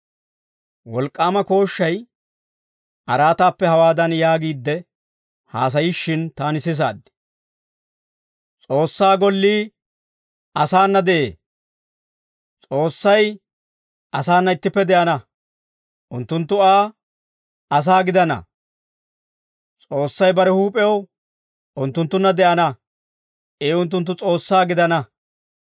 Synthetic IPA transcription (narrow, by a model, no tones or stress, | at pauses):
wɔlkʼːaːmɐko̞ːʃːɐj | ʔɐɾaːt̪aːpːɛhɐwaːd̪ɐnjaːɡiːd̪ːɛ | haːs̬ɐjiʃːɪnt̪aːnɪsɪs̬a̰ːd̪ːɪ̥ | t͡sʼo̞ːsːaːɡɔlːiː | ɐsaːnːɐd̪ɛʔḛː | t͡sʼo̞ːsːɐj | ɐsaːnːɐɪt̪ːɪpːɛd̪ɛʔɐnɐ | ʔʊnt̪ːʊnt̪ːʊaː | ɐs̬aːɡɪd̪ɐnɐ̰ | t͡sʼo̞ːsːɐjbɐɾɛhuːpʼɛɐw | ʔʊnt̪ːʊnt̪ːʊnːɐd̪ɛʔɐnɐ | ʔeːʊnt̪̬ːʊnt̪̬ːʊt͡sʼo̞ːsːaːɡɪd̪ɐnɐ